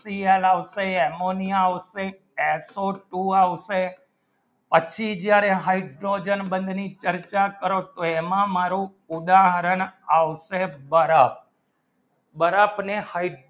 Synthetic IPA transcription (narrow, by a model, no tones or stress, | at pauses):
sielaʋseɛmonijaaʋse | esoʈuaʋse | pət͡ʃʰid͡ʒjaɾeɦaiɖɾod͡ʒənbə̃nd̪ʱnit͡ʃəɾt͡ʃakəɾot̪oemãmaɾũ | ʊd̪aɦəɾənaʋʃebəɾap̚ | bəɾapnehai